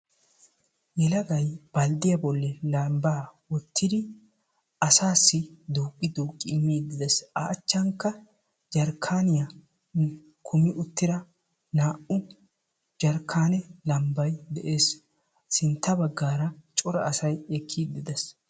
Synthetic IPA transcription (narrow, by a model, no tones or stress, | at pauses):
jɛlɐɡɐjb̥ɐld̪ɪjɐbɔlːɛlɐmbaːwɔt̪ʰːɪd̪ɪ | ɐsaːsːɪd̪uːkʼːɪd̪uːkʼːɪːmːiːd̪ɪd̪ɐsa̰ʔːt͡ʃːɐŋkːɐ | d͡ʒɐɾkʰaːnɪjɐ | kʰʊmɪʔʊt̪ːɪɾɐ | naːʔʊ | d͡ʒɐɾkʰaːnɛlɐmbɐjd̪ɛʔe̞ːsː | ɪnt̪ːɐbɐɡːaːɾɐt͡ʃʼɔɾɐːsɐjɛkʰːiːd̪ːɪd̪ɐs